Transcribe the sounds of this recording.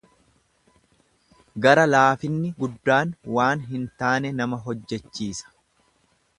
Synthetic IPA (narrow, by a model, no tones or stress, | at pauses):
ɡɐɾɐlaːfɪnːɪɡʊd̪ːaːnwaːnɦɪnt̪aːnɛnɐmɐɦɔd͡ʒːɛt͡ʃːiːsɐ̥